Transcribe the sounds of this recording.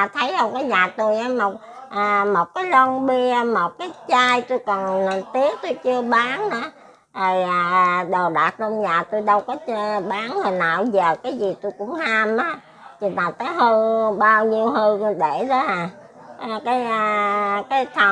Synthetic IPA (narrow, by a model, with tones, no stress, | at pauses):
a˨˩t̪ʰə˨˦jʔə˧wŋ͡mkɔː˨˦zaː˨˩t̪u˧jʔaː˨˦mo˨˩t̚ʔaː˨˩mo˨˩t̚kaː˨˦jlɔ˧ŋɓi˧mo˨˩t̚kaː˨˦jt͡ɕaː˧jt̪u˧jkə˨˩nna˨˩t̪i˦˥ək̚t̪u˧jt͡ɕɨ˧əɓaː˨˦naː˨˦ | zo˨˩jaː˨˩ɗo˨˩ɗaː˨˩t̚ɗə˧mzaː˨˩t̪u˧jɗə˧wkɔ˨˦t͡ɕɓaː˨˦nhə˨˩na̰ː˨wzəː˨˩kaː˨˦jzi˨˩t̪u˧jkʊ̰˧˥ŋ͡mhaː˧mʔaː˨˦ | t͡ɕi˨˩naː˨˩t̪əː˨˦jhɨ˧ɓaː˧wɲi˧əwɦɨ˧ɗe˧˩ɗɔ˨˦haː˨˩˧ | kaː˨˦jkaː˨˦jt̪ʰə˨˩